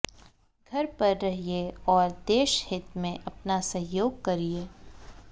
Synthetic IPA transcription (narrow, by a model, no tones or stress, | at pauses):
ɡʱɐɾpɐɾːɐɦieɔːɾd̪eːʃhɪt̪mẽʔɐpnasɐ̃ɦjoːɡ̚kɐɾieː